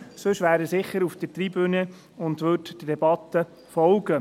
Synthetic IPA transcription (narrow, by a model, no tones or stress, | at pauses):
sɵʃʋæːɾəsɪχːəɾufd̥̪ətriːbyni | ʊnd̪ʋøttd̥ɛbɑt̪ːə | fɔlɡə